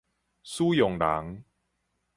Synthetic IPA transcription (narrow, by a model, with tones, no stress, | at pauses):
suː˦jo˨˩ŋla̰˨˩˦ŋ